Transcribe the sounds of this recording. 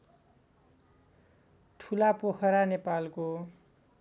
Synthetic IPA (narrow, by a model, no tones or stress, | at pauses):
ʈʰulapoxʰʌɾanepalko